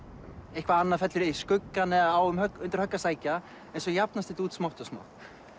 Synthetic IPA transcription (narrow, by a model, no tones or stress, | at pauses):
ejhkvaanːafɛt̪lɪɾiskʏkːanɛawʏmhœkʏnt̪ɪɾ̥hœkːasaːjca | ɛnsɔjap̚nast̪ɪt̪uːt̪smawht̪ɔsma̰wht̪